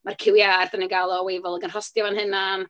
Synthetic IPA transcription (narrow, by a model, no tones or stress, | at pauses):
markʰɪwjardəniɡalˠɔwejvɔlˠəɡənrɔstjavanɦɨnam